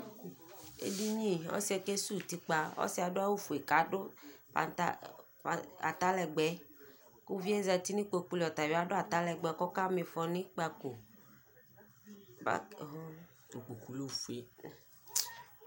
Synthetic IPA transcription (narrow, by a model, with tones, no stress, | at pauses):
ḛ˦di˦ɲĩ˦ɔ̰˦si˦ɛ˦ke˦su˦˨t̪i˦k͡pa˨ɔ̰˦si˦a˨dʊ˦a˦wu˦fu˨e˨ka˨˦dʊ˦fa̰˨nta˦˨ | a̰˨t̪a˦lɛ˨ɡ͡bɛ˨˦ku˦vi˦ɛ˦za˧t̪i˦nĩ˦k͡po˧k͡pu˦lɔ˨t̪a˨wi˨˦a˦dʊ˦a˨t̪a˦lɛ˨ɡ͡bɛ˨kɔ˦ka˦me˨fɔ˧nĩ˦k͡pa˧ko˨ | ba̰˦˨˦ | o˨k͡po˨ku˨lo˨fu˨e˨˦